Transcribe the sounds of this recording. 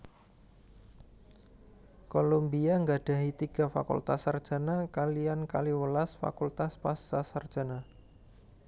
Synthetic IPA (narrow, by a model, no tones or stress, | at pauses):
kolombiaŋɡaɖ̥ä̤ɦit̪iɡ̥a̤fa̰kṵlt̪asːard̥ʒ̥a̤nakalijankaliwəlasfa̰kult̪aspasːasard̥ʒ̥a̤na